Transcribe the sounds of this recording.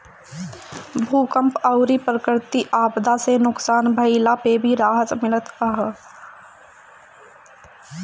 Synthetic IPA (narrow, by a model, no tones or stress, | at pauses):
bʱuːkəmpəʊɾipɾəkɾt̪iʔaːbd̪asenʊksaːnbʱəɪlapebʱiɾaːɦət̪mɪlət̪əɦ